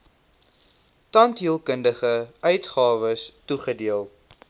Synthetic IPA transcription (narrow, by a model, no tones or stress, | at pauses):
tɐntɦiəlˠkəndəχəʔœɥtχɑːvəstuχədiəlˠ